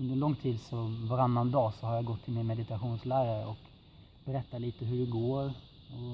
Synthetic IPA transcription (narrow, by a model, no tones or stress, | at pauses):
ɵnd̪əɾlɔŋːt̪ʰiːd̪sɔvaɾanːand̪ɑːsɔhaɾjaɡɔt̪ʰːɪlmɪnmɛd̪ɪt̪aɧuːnslæːɾaɾəɔk | b̥ɛɾɛt̪ːatliːt̪əɦɵɖɛɡoːɾ | ɔ